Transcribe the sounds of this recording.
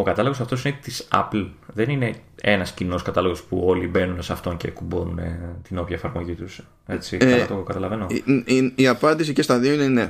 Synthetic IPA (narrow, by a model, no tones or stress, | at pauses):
o̞kɐt̪ɐloɣo̞sɐft̪os̬inet̪isɐ̰plðenine̞e̞nɐscino̞skɐt̪ɐloɣo̞spuo̞libe̞nunesɐft̪o̞nce̞̰kubonune̞̰t̪ino̞pjɐefɐɾmo̞ʝit̪us | et͡siɐɐt̪okɐt̪ɐlɐve̞no̞iiɐpɐnd̪isicest̪ɐðioinene